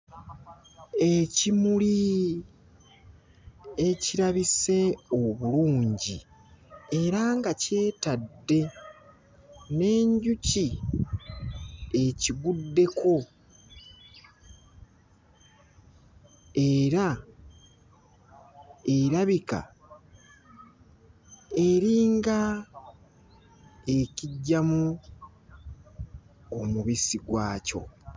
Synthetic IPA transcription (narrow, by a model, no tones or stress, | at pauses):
e̞cimuli | e̞ciɾaβise̞oβuluːɲɟi | e̞ɾaŋɡace̞ːtaddːe̞ | ne̞ːɲɟuci | e̞ciɡudːe̞kʰo̞ | e̞ɾa | e̞ɾaβika̰ | e̞ɾiːŋɡa | e̞ciɟːamu | omuβisiɡwaːco̞̰